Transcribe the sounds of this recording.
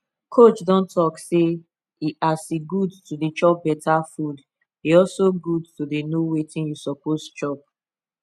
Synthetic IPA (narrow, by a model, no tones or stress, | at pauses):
kʰot͡ʃdɔ̃ntʰɔkse | iasiɡudtudit͡ʃɔp̚bɛtʰafud | iɔlsoɡudtudenowetĩnjusɔpost͡ʃɔp̚